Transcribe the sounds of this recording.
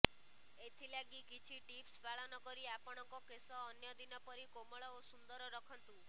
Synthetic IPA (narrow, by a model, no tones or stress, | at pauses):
et̪ʰilaɡikit͡ʃʰiʈipsbaɭɔnɔkɔɾiapɔɽ̃ɔŋkɔkesɔːnjɔd̪inɔpɔɾikomɔɭɔosund̪ɔɾɔɾɔkʰɔnt̪u